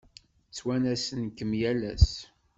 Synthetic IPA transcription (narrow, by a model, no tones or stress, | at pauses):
t͡sːwænæsənkəmjælæs